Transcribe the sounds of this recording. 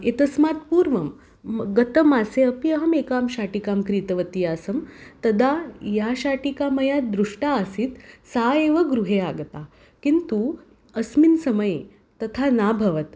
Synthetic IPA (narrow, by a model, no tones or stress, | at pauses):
et̪əsmat̪puːɾʋɐm | ɡət̪əmaseəpiəɦəmekaːmɕaʈikamkɾit̪əʋət̪iːasəmt̪ɐd̪ajaɕaʈikaməjad̪ɾuʂʈaəsiːt̪saeʋəɡɾuɦeaɡt̪a | kint̪u | əsminsəməje | t̪ɐt̪ʰanabʱɐʋət̪